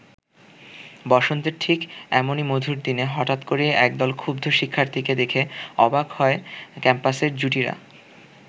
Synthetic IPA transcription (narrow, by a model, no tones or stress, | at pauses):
bɔʃont̪eɾʈʰikɛmonimod̪ʱuɾd̪ineɦɔʈat̪koɾiʔɛk̚d̪ɔlkʰubd̪ʱoʃikʰːaɾt̪ʰiked̪ekʰeɔbaɡhɔekɛmpaseɾd͡ʑuʈiɾa̰